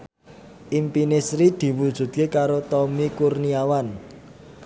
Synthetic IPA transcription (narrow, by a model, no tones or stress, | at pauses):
ʔimpinɪsɾid̪̥i̤wud̥ʒ̥ṳt̪̚kekaɾot̪ɔmikurniawan